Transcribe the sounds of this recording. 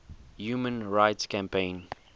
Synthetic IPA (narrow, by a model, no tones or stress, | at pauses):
juːmə̃nɹaɪtskãmpʰẽn